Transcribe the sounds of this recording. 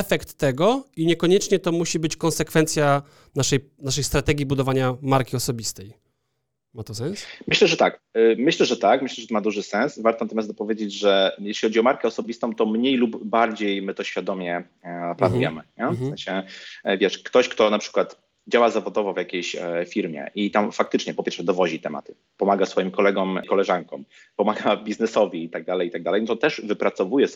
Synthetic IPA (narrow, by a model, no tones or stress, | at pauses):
ɛfɛkt̪ːɛɡɔiɲɛkɔɲɛt͡ʂɲɛt̪ɔmuɕibɘt͡ɕkɔ̃nsɛkfɛnt̪sʲja | naʂɛj | naʂɛjst̪ɾat̪ɛɡʲibud̪ɔvaɲamaɾkʲiɔsɔbʲist̪ɛj | mat̪ɔsɛ̃nsmɘɕlɛʐɛt̪akmɘɕlɛʐɛt̪akmɘɕlɛʐɛt̪ɔmad̪uʐɘsɛ̃ñsvaɾt̪ɔnat̪ɔmʲjasɔpɔvʲjed͡ʑed͡ʑʐɛjɛɕlʲixɔd͡ʑiɔmaɾkɛɔsɔbʲist̪ɔ̃w̃t̪ɔmɲejlubːaɾd͡ʑejmɘt̪ɔɕfʲjad̪ɔmʲjɛ | planujɛmɘɲɛfsɛ̃nɕɛvʲjɛʂkt̪ɔɕkt̪ɔnapʂɘ̥kwat̪ | d͡ʑawazavɔd̪ɔvɔvjakʲejɕfʲiɾmʲjɛ̰ʔit̪amfak̚t̪ɘt͡ʂɲɛpɔpʲjɛɾʂɛd̪ɔvɔʑit̪ɛma̰t̪ɘ̥ | pɔmaɡasfɔjimkɔlɛɡɔmkɔlɛʐaŋkɔ̃m | pɔmaɡabʲiznɛsɔvʲiit̪aɡ̚d̪alɛjit̪aɡ̚d̪alɛjnɔt̪ɔt̪ɛʐvɘpɾat̪sɔvujɛ